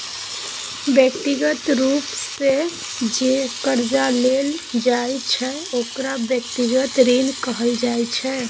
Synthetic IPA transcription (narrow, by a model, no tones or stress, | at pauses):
bjək̚t̪iɡət̪ɾupsse | d͡ʒekəɾd͡ʒaleld͡ʒajt͡ʃʰɛ | okɾabjək̚t̪iɡət̪ɾinkəɦəld͡ʒajt͡ʃʰɛ